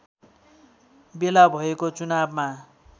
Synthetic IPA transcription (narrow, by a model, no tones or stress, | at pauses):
belabʱʌekot͡sunabma